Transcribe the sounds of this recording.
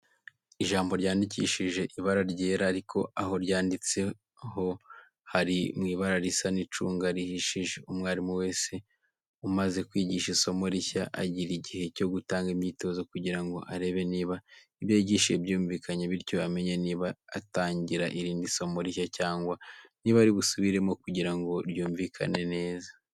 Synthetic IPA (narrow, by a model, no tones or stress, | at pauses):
iʒaːmbo̞ɾɟaːndicḭːʃiʒe̞ʔiβaɾaɾɟeːɾaːɾikʰo̞aɦo̞ɾɟaːndit͡se̞ | ho̞ | haɾimŋiːβaɾaɾisanit͡ʃṵːŋɡaɾihiʃiʒe̞umŋwaːɾimuwe̞ːse̞ | umaze̞kwiːɟiʃiso̞mo̞ɾiçaʔa̰ɟiɾiɟihe̞co̞ɡutaːŋɡimɲiːto̞zokuɟiɾaŋɡo̞̰ʔaɾe̞βe̞niːβa | iβjeːɟiːʃebjuːɱviːkʰaɲeβiɾjo̞ame̞ɲeniβaːtaːɲɟiɾa̰ʔiɾiːndiso̞mo̞ɾiçacaːŋɡwaniːβaːɾiɡusuβiɾe̞mo̞kuɟiɾaŋɡo̞ɾjuːɱviːkʰa̰ne̞ne̞ːza